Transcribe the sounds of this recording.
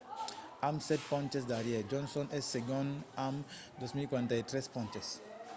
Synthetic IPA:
amsɛt̚pɔ̃nt͡ʃɛs̬daɾied͡ʒɔ̃nsɔ̃nɛsːeɡɔ̃nam | dɔsmikwãntajtɾɛspɔ̃nt͡ʃɛs

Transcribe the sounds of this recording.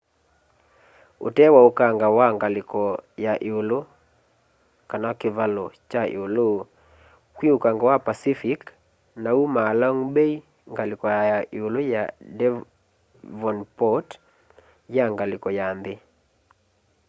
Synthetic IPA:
o̰tɛwaokaŋɡawaŋɡalɪkɔjaʔeolo | kanakɪvalɔt͡ʃaḛolo | kwiokaŋɡawapasifik | naumalɔŋbɛi | ŋɡalɪkɔajaʔeolojadɛ | vɔnpɔt | jaŋɡalɪkɔjanðɪ

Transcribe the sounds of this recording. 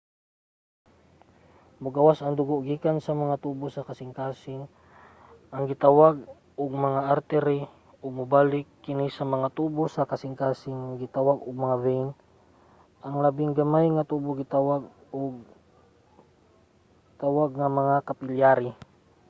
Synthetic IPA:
mʊɡawasɐŋd̪ʊɡoʔɡiːkansɐmɐŋat̪ubosakasɪŋkaːsɪŋ | ʔaŋɡɪt̪awaɡ̚ | ʊɡ̚mɐŋaʔaɾt̪ɛɾɪ | ʔʊɡ̚mʊbaːlɪkːɪnisamɐŋat̪ubosakasɪŋkaːsɪŋːaɡɪt̪awaɡʊɡ̚mɐŋavɛn | ʔaŋlabɪŋɡamajŋat̪uboɡɪt̪awaɡ | ʊɡ | t̪awaɡŋamɐŋakapɪljaɾi

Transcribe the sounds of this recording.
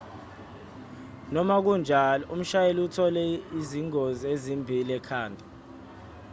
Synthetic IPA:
nɔmak̬und͡ʒʱalɔum̩ʃajeliutʰɔlɛiziŋoziezimbʱilɛkʰaːndʱa

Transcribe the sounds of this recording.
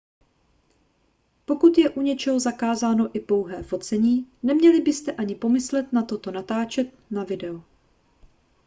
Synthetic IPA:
po̞kut̪jɛʔuɲɛt͡ʃɛɦo̞zakaːzaːno̞ʔɪpo̞wɦɛːfo̞t͡sɛɲiːnɛmɲɛlɪbɪst̪ɛʔaɲɪpo̞mɪslɛt̪nat̪o̞t̪o̞nat̪aːt͡ʃɛt̪̚navɪdɛo

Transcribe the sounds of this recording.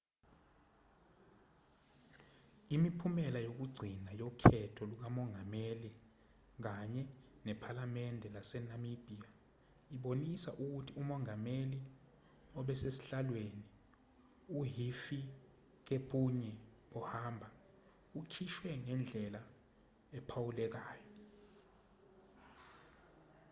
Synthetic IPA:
imipʰumɛlajok̬uɡ͡ǀʱinajokʰɛtʰɔluk̬amɔŋɡʱameli | k̬aɲɛnɛpʰalamɛndʱɛlasɛnamib̥ʱia | iɓonisa̰ʔuk̬utʰiumɔŋameli | ɔɓɛsesi̥ɬalweni | uɦifi | k̬epʰʼuɲɛɓɔhaːmbʱa | ukʰiʃwɛŋɛnd͡ɮʱɛla | ɛpʰawulɛk̬aːjɔ

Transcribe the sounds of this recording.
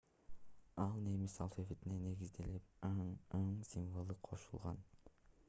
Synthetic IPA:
ɑlˠne̞misɑlˠfefet̪inene̞ɡizd̪e̞lipɑɴɑɴsʲiɱvolˠɯqʰo̞̰ʃulˠʁɑn

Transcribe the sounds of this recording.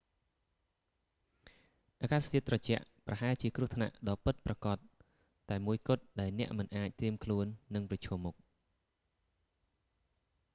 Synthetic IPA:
ʔaːkaːst̪ʰiət̪̚rɑt͡ɕɛ̆əʔprɑhaɛlt͡ɕiəkrŭət̪ʰna̰ʔɗɑːpɨt̪̚prɑkɑt̪̚ː | aɛmuəjkʊ̆ət̪̚ɗaɛlnɛ̆əʔmɨnʔaːc̚t̪riəmkʰluənːɨŋprɑt͡ɕʰɔːmːuk̚

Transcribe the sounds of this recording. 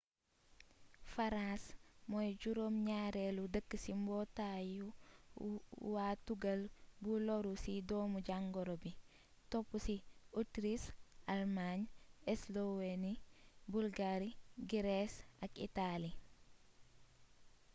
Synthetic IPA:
faɾãsmɔjɟuɾomɲaːɾeludəkːəsimbɔtaju | waːtuɡəlbulɔɾusidɔːmuɟaŋɡɔɾobi | topːusiotɾisalmaɲeslowenibulɡaɾiɡiɾesakḭtali

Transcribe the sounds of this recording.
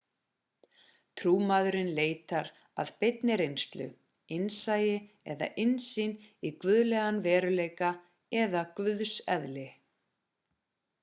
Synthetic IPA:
t̪ʰɾuːmaðʏɾɪnleːjt̪aɾ | a̰ðpɪt̪nɪɾejnst̪lʏ̰ | ɪnsaːjɪ | ɛða̰ʔɪnsinikvʏðlɛɣanvɛːɾʏleːjka | ɛðakvʏðsɛðlɪ

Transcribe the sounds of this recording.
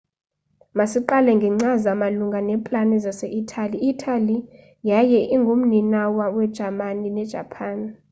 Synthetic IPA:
masiǃalɛŋɡʱɛŋ͡ǀazamaluŋɡʱanɛmpʼlanɛzasɛʔitʰaliːtʰʼali | jajɛʔiŋɡʱum̩ninawawɛd̥ʒ̥ʱamaninɛd̥ʒ̥ʱapʰaːn

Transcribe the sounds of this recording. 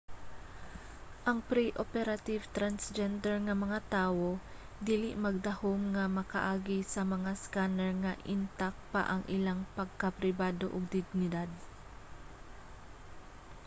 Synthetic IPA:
ʔɐŋpɾiʔopɛɾat̪ivt̪ɾansd͡ʒɛnd̪ɛɹŋɐmɐŋat̪aːwo̞ | d̪iːlɪ̰ʔmɐɡ̚d̪ɐhomŋɐmɐkɐ̰ʔaːɡisɐmɐŋaskanɛɹŋɐʔɪnt̪ak̚pa̰ʔɐŋʔɪlaŋpɐɡ̚kapɾɪbaːd̪o̰ʔʊɡ̚d̪ɪɡ̚nɪd̪ad̪̚

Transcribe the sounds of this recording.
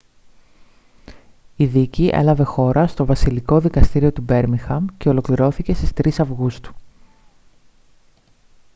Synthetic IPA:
iðiciʔḛlɐve̞xo̞ɾɐst̪o̞vɐsiliko̞ðikɐst̪iɾio̞t̪ube̞ɾmiŋxɐmce̞o̞lo̞kliɾo̞θice̞sist̪ɾisɐvɣust̪u̥

